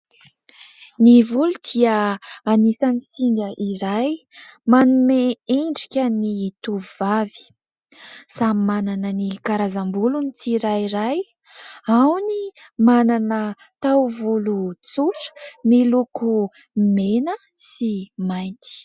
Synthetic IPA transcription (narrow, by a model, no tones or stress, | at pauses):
nivulud̪̥iəanisanisiŋɡəʔiɾajmanumeeɳɖ͡ʐikʲənit̪uvivavi̥ | sammananənikaɾazambulunit͡siɾajiɾaj | awnimananə | t̪awvulut͡suʈ͡ʂə̥miluku | menə | simajnt̪i̥